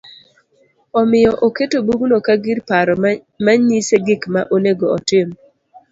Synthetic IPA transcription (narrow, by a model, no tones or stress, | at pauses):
ɔmɪjɔʔoketobuɡnokaɡiɾpaɾɔ | maɲiseɡɪkmaʔoneɡoɔtɪm